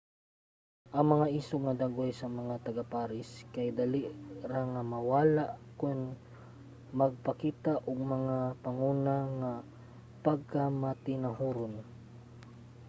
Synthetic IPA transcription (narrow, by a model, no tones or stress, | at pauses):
ʔɐŋmɐŋaʔiːsoŋɐd̪aːɡojsɐmɐŋat̪ɐɡapaːɾɪskɐjd̪ɐliʔɾaŋːɐmɐwaːlaʔkʊn | mɐɡ̚pɐkiːt̪aʔoɡ̚mɐŋapɐŋuːnaŋa | pɐɡ̚kamɐt̪ɪnɐɦuːɾon